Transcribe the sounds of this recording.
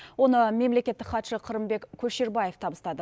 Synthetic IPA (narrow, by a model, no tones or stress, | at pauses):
wo̞nəme̞mle̞kʲe̞t̪ːɪkχɑt̪ʃəqʰəɾəmbe̞kʲkʲʰɵʃe̞ɾbɑje̞ft̪ʰɑbəst̪ɑd̪ə